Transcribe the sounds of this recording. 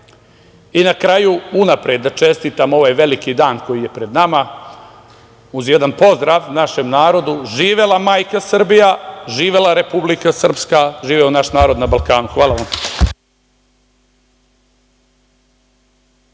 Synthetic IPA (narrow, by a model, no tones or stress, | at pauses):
inakɾajuunapɾed̪ːat͡ʃe̞st̪it̪amo̞ʋaːjʋe̞likid̪aːnko̞jije̞pɾe̞d̪nama | uzjed̪anpo̞zd̪ɾaːʋnaʃe̞mnaːɾo̞d̪uʒiːʋe̞lamaːjkasr̩bijaʒiːʋe̞laɾe̞publikasr̩pskaʒiːʋeonaʃnaːɾo̞d̪nabalˠkaːnuxʋaːlaʋam